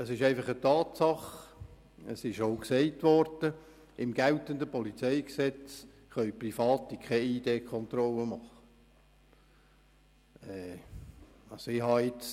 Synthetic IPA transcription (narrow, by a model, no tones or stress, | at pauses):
əsɪʃæɪfɑχətɑːtsɑχ | əsɪʃoʊksɛɪtʋɔɾd̥ə | ɪmɡ̥ɛltəndəpɔlit͡sɛɪksɛt͡s | χœɥprifɑːt̪ikʰɛideːkχɔnt̪ɾɔlːəmɑχə | ɛː | ɑsɪhɑɪt͡s